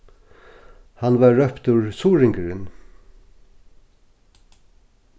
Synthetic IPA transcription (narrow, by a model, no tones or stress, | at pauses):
hanvaɹːœpt̪ʉɹsuːɾɪŋkəɾɪn